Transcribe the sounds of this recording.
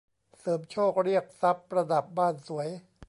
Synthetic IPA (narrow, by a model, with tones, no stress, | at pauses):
sɤː˩˦mt͡ɕʰoː˥˩k̚ɾi˥˩ək̚sa˦˥p̚ɾa˧da˨˩p̚baː˥˩nsu˩˦əj